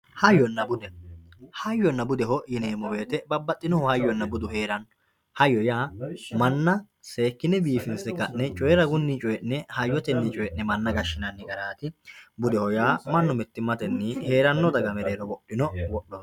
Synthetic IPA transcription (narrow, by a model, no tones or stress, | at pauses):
hɐjːɔnːɐbʊd̪ɛhɐjːɔnːɐbʊd̪ɛɦɔjɪneːmɔbe̞ːt̪ɛbɐbːɐt̪ʼːɪnɔhɔhɐjːɔnːɐbʊd̪ʊheːɾɐn | hɐjːɔjaːmɐnːɐ | se̞ːkːɪnɛbiːfɪnsɛkːɐnːɛt͡ʃʼɔjɛɾɐɡʊnːit͡ʃʼɔjɛʔnɛhɐjːɔt̪ɛnːɪt͡ʃʼɔjɛʔnɛmɐnːɐɡɐʃːɪnɐnːɪɡɐɾaːt̪ɪbʊd̪ɛhɔjaːmɐnːʊmɛt̪ːɪmɐt̪ɛnːɪhe̞ːɾɐnːɔd̪ɐɡɐmɛɾeːɾɔbɔɗːɪnɔwɔɗːɔn